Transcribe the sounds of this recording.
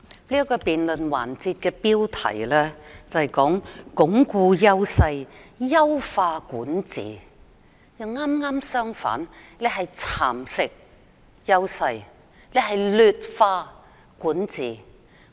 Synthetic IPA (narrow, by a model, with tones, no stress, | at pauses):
liː˥kɔː˧piː˨nlɵ˨nwa̰ː˨˩nt͡siː˧t̚kɛː˧piː˥wt̪ʰɐ̰˨˩jlɛː˥t͡sɐ˨hɐ˨jkɔː˨˥ŋkʊ˨˥ŋkuː˧jɐ˥wsɐ˧jjɐ˥wfaː˧kuː˨˥nt͡sḭː˨˩ | jɐ˨˧ŋaː˥mŋaː˥msœː˥ŋfa̰ː˨˥nlɛ˧ɦɐ˨jt͡sʰaː˨˩msɪ˥k̚ | jɐ˥wsɐ˧j | le˨˧ɦɐ˨jlyː˨˧t̚faː˧ | kuː˨˥nt͡siː˨